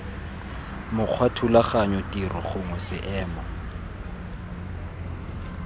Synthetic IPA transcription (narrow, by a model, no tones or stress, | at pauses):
mʊq͡χʰwatʰulaχaɲɔtʼirɔχʊŋwɛsɪʔɛːmɔ